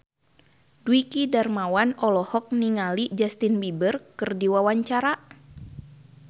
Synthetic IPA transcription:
duwikidarmawanɔlɔhɔk̚niŋalid͡ʒast̪inbibərkɨrdiwawaɲt͡ʃaɾa

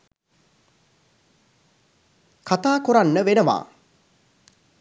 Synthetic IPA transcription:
kat̪aːkuɾanːəʋenəʋa̰ː

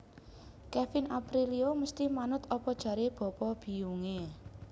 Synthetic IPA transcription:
kɛfɪnʔapɾilioməst̪imanʊt̪ɔpɔd̥ʒ̥ä̤ɾeb̥ɔ̤pɔb̥i̤uŋe

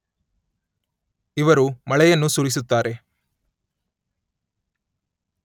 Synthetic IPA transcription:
ɪʋɐɾumɐɭɐjɐnːusʊɾɪs̬ɯt̪ːaːɾʔe

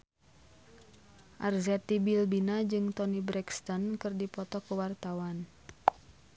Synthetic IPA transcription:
ʔarzɛt̪ibilbinad͡ʒɨŋt̪ɔnibɾɛkst̪ɔnkɨrdipɔt̪ɔkuwart̪awan

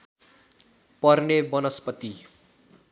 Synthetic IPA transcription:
pʌrnebʌnʌspʌt̪i

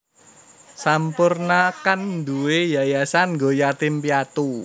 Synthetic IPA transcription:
sampʊrnakand̪uwejajasanŋɡojat̪ɪmpiat̪u

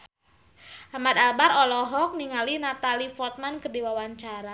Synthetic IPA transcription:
amad̪abaɾɔlɔɦɔk̚niŋalinat̪alifɔt̪̚mankərdiwawaɲt͡ʃaɾa

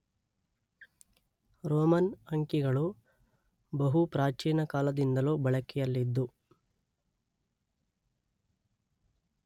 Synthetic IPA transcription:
ɾoːmɐnɐŋkiɡɐɭu | bɐɦupɾaːt͡ʃiːnɐkaːlɐd̪ind̪ɐluːbɐɭɐkɛjɐlːid̪ːu

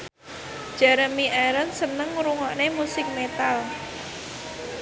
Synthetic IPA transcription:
d̥ʒ̥a̤ɾəmiʔɛɾənsənəŋɾuŋɔʔnemusɪk̚met̪al

